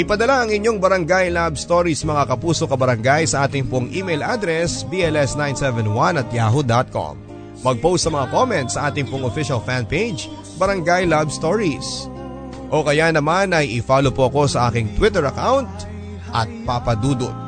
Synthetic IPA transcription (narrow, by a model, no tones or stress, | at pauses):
ʔɪpɐd̪ɐlaʔɐŋɪɲːo̞ŋbɐɾɐŋɡajlabst̪o̞ɹismɐŋakɐpuːso̞kɐbɐɾɐŋɡajsɐʔaːt̪ɪŋpoŋʔiːmɛjlʔaːd̪ɾɛsbiʔɛlɛsnajnsɛvɛnwanɐt̪̚jaːɦod̪at̪̚ko̰mː | ɐɡ̚powst̪sɐmɐŋako̞mɛ̃nt̪sɐʔaːt̪ɪŋpoŋofiʃɐlfanpejd͡ʒ | bɐɾɐŋɡajlabst̪o̞ɹis | ʔo̞kɐjanɐmanɐjɪfaːlopoʔɐko̞sɐʔaːkɪŋt̪wɪt̪ɛɹɐkawnt̪̚ | ʔɐ̰t̪̚papɐd̪uːd̪o̰